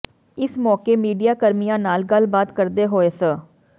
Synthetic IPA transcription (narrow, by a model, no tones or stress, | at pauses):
ɪsmɔːkeːmiːɖijaːkəɾmijãːnaːlɡəlbaːt̪kəɾd̪eːɦoːeːsə